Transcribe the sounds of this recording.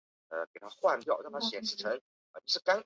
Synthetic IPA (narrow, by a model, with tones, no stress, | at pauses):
ə˧ke˨˩ɪt̪ʰa˥xwa˥˧ntjɑ˥˩ʊn˥˩t̪ʰa˥ɕjɛ˨˩nʂ̩˧˥˩ʈ͡ʂʰə˧˥ŋ | ə˧˩t͡ɕʂɻ̩˥˩ka˥n